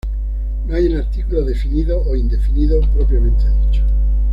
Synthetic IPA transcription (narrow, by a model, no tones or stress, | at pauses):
noajenaɾt̪ikuloðe̞finiðoʔoind̪e̞finiðopɾopɾjamẽnt̪eðit͡ʃo̥